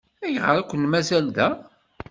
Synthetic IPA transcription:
æjəʁəɾˤækʷːənmæzæld̪æ

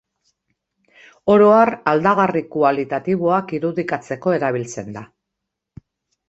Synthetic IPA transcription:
o̞ɾo̞arald̪aɣarikualit̪at̪iβ̞oakiɾuðikat͡se̞ko̞e̞ɾaβ̞ilt͡se̞nd̪a

